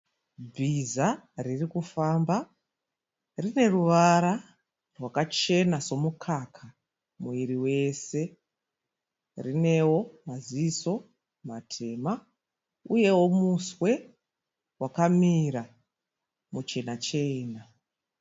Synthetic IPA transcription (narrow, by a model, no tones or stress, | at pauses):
b͡vizaririkufaːmba | rine̞ruʋaɾa | rwakat͡ʃe̞naso̞mukʰakʰa | muiɾiwe̞se̞ | rine̞wo̞maziiso̞ | matʰe̞ːma | uje̞wo̞muswe̞ | wakamiɾa | mut͡ʃe̞nat͡ʃe̞ːna